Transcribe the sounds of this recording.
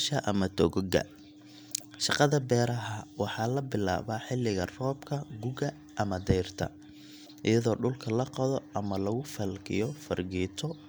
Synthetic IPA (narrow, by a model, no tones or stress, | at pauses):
ʃɐʔɐmɐt̪ʰɔɣɔɡɐ̰ | ʃɑqɑðɐbɛːɾɐɦɐwɑħɑːlɐbɪla̰ːβaːħɪlːɪɣɐrɔːbkʰɐɡʊɣɐ | ʔɐmɐd̪ɛjrt̪ʰɐ̰ | ʔɪjɐðɔːɖʊlkʰɐlɐqɑðɔʔɐmɐlɐɣʊfɐlɡɪ̰jɔfɐ̰rɡiːt̪ʰɔ